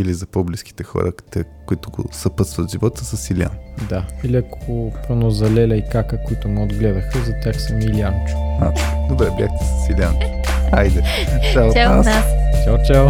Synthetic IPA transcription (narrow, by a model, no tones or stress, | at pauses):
ilizɐpɔbliski̥t̪ɛxɔ̰ɾə̰t̪ɛkʊit̪ʊɡo̰sɐpət̪st̪vət̪ʒivɔt̪əsəsilia̰nd̪ailiɐkoopɾonozɐlɛlʲɐikakəkʊit̪ʊmɛod̪ɡlɛd̪əxəzɐtʲaxsɐmiliankad̪obɾɛblʲaxt̪isəsilʲa̰najd̪ɛ | t͡ʃaa̰st͡ʃalt͡ʃaw